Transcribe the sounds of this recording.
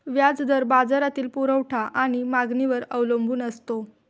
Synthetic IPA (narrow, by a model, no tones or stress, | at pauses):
ʋjad͡zd̪əɾbad͡zaɾat̪iːlpuɾəʋʈʰaʔaɽ̃imaɡniʋəɾəʋləmbʱuːnəst̪o